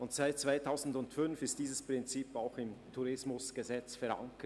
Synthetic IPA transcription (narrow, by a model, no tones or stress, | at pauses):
ʊntsaɪt̚t͡sv̥aɪtʰaʊzn̩dʊntfʏnfɪst̚d̥iːzəspʁ̥ɪnt͡siːpaʊxɪmtʰuɾɪsmʊsɡ̥əzɛt͡sfɛɐɾa̰ŋkə